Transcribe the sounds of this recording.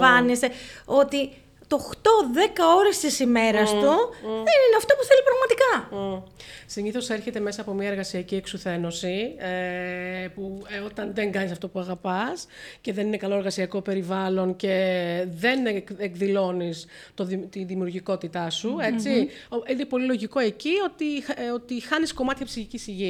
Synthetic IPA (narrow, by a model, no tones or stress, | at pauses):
ɐnist̪eo̞t̪i | t̪o̞xt̪o̞ðe̞kɐo̞ɾest̪isime̞ɾɐst̪uðe̞nineɐft̪o̞puθe̞lipɾɐɣmɐt̪ikɐ | siɲiθo̞se̞ɾçe̞t̪e̞me̞sɐːpo̞miɐe̞ɾɣɐsiɐcie̞ksuθe̞no̞sie | puo̞t̪ɐnðeŋɡɐnisɐft̪o̞puɐɣɐpɐsce̞ðe̞nine̞kɐlo̞eɾɣɐsiɐko̞pe̞ɾivɐlo̞nce̞ðe̞nkekðilo̞nist̪ot̪iðimiuɾʝiko̞t̪it̪ɐsue̞t͡si | oine̞po̞lilo̞ʝiko̞e̞cio̞t̪io̞t̪ixɐnisko̞mɐt̪çɐpsiçicisiʝi